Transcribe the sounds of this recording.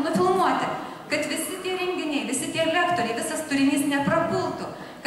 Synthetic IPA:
nʊfʲɪlˠnuɔt̪ʲɪ | kɐt̪ʋʲɪsʲɪt̪ʲiɛɾʲɛŋʲɡʲɪnʲɛɪʋʲɪsʲɪt̪ʲiɛlʲækt̪oːɾʲɛɪʋʲɪsɐst̪ʊɾʲɪnʲiːsnʲɛpɾɐpʲɪlˠt̪ʊ | k

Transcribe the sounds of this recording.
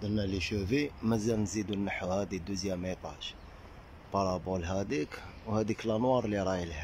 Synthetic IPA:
d̪əlnæliʃuvimæzælnzid̪unːəħwhæd̪id̪uzjæmʔit̪ˤɑ̰ʃ | pɑɾˤɑbulɦæd̪ikwhæd̪iklʔɑnwɑɾˤliɾˤɑjəlhæ

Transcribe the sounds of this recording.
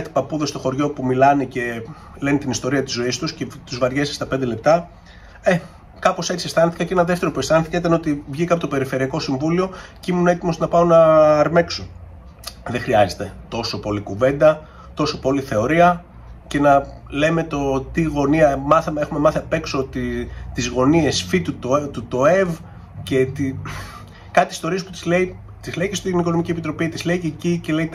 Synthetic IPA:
t̪i̥pɐpuðest̪o̞xo̞ɾʝo̞pumilɐnece̞ | le̞nit̪inist̪o̞ɾiɐt̪izo̞ist̪usce̞t̪uzvɐɾʝesi̥st̪ɐpe̞nd̪ele̞p̚t̪ɐ | e | kɐpose̞t͡siest̪ɐnθi̥kɐceenɐðeft̪e̞ɾo̞pue̞st̪ɐnθikɐit̪ɐneo̞t̪ivʝikɐpot̪opeɾife̞ɾiɐko̞siɱvulio̞ceimunee̞t̪imoznɐpɐo̞nɐːɾme̞kso | ðexɾiɐze̞t̪e̞t̪o̞so̞po̞likuve̞nd̪ɐ | t̪o̞so̞po̞liθe̞o̞ɾiɐ | ce̞nɐle̞me̞t̪o̞t̪iɣo̞niɐmɐθɐmee̞xumemɐθepe̞kso̞t̪t̪izɣo̞nie̞sfit̪ut̪oet̪ut̪o̞e̞v | ce̞t̪i | kɐt̪ist̪o̞ɾiespu̥t̪zlei | t̪izleicest̪iniko̞no̞micie̞pit̪ɾo̞pit̪izle̞iecice̞le̞i

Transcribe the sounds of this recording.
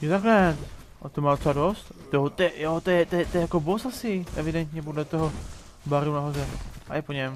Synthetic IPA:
jot̪aklɛt̪ | at̪omaːd̪ot̪sɛadost̪t̪oɦot̪ɛjot̪ojɛt̪ojɛt̪ojɛjakobosasɪʔɛvɪdɛnt̪ɲɛp̬odlɛt̪oɦo | baɾunaɦozɛʔa̰jɛpoɲɛm

